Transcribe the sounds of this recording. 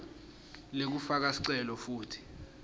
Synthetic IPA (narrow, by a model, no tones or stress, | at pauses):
lek̬ufak̬asi̥ǀɛlɔfuːtʰi̥